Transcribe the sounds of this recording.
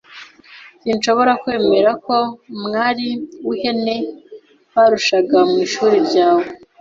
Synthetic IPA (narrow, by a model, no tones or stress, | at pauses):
sinʃo̞βo̞ɾakwe̞ːme̞ɾako̞mŋaːɾiwuhe̞ne̞ | βaɾuʃaɡamŋiːʃuːɾiɾɟaːwe